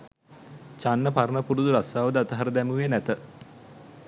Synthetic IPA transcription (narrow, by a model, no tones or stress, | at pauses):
t͡ʃanːəpaɾənəpuɾud̪uɾasaːʋəd̪əat̪əɦaɾəd̪ɛmuʋenæt̪ə